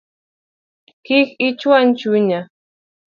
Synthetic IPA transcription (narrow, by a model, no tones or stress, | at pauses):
kɪkɪt͡ʃwant͡ʃʊɲa